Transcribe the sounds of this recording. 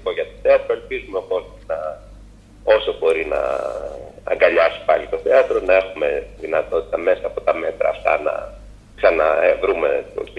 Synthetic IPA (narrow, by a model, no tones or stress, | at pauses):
koʝɐt̪oθeɐt̪ɾoe̞lpizumepo̞sinɐ | o̞sobo̞ɾinɐ̰ | ɐ̰ŋɡɐʎɐsi̥pɐlit̪o̞θeɐt̪ɾo̞nɐe̞xume̞ðinɐt̪o̞t̪i̥t̪ɐme̞sɐːpo̞t̪ɐme̞t̪ɾʔɐ̰ːft̪ɐ̰nɐ̰ | ksɐnɐ̰vɾume̞̰t̪o̰